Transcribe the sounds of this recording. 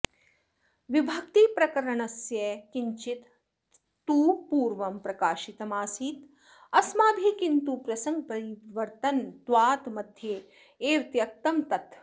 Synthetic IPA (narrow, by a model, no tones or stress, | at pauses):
ʋibʱɐk̚t̪ipɾɐkɐɾɐɳɐsjɐkiɲt͡ʃit̪ː | uːpuːɾʋɐmpɾɐkaːʃit̪ɐmaːsiːt̪ | ɐsmaːb̪ʱikint̪upɾɐsɐŋɡ̚pɐɾiʋɐɾt̪ɐnt̪ʋaːt̪mɐd̪ʱje | eːɾt̪jɐk̚t̪ɐmt̪ɐt̪